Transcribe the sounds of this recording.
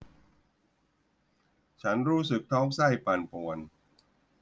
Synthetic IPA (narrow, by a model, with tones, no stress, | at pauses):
t͡ɕʰa˦˥nɾuː˦˥sɯ˨˩k̚t̪ʰɔː˦˥ŋsa˥˩jpa˧npu˨˩ən